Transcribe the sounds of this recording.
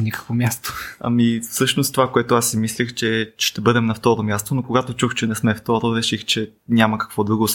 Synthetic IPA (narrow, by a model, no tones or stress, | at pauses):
nʲikə̥kvomʲjast̪o̥ɐ̰mifsɤʃnost̪ovakoɛt̪oasːimislʲixt͡ʃɛʃt̪ɛbɤd̪ɛmnɐft̪ɔɾomʲjast̪onokoɡat̪ot͡ʃuxt͡ʃɛnɛsmɛft̪ɔɾoɾɛʃixt͡ʃɛ | nʲaməkɐ̥kv̥ɔd̪ɾuɡos